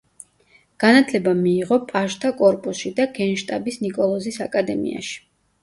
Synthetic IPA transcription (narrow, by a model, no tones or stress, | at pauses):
ɡ̥anat̪ʰlɛbamiːʁɔpʼaʃt̪ʼʰakʼɔɾpʼusʃid̪aɡɛnʃt̪ʼabisnikʼɔlˠɔzisakʼad̪ɛmḭa̰ʃi̥